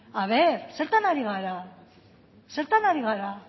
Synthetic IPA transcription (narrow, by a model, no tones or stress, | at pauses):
aβeɾse̞ɾt̪anaɾiɣ̞aɾa | se̞ɾt̪anaɾiɣaɾa